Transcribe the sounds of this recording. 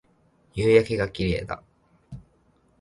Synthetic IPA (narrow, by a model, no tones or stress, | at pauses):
jɯːjakeɡakʲiɾeḛt̪a̰